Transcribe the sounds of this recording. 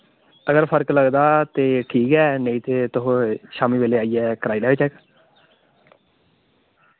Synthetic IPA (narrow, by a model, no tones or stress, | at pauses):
əɡəɾpʰəɾkləɡd̪aːt̪eːʈʰiːkɛːneĩːt̪eːt̪ʊɦõʃaːmiːʋeːleːaːiːɛːkəɾaːiːlɛːʋɪt͡ʃɛːk